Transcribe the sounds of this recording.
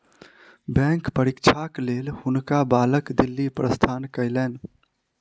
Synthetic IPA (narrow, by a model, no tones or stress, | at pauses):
bɛ̃ːŋkpəɾɪkt͡ʃʰakleːlhʊnkabaːləkd̪ɪlːipɾəst̪ʰaːnkəjlɛːn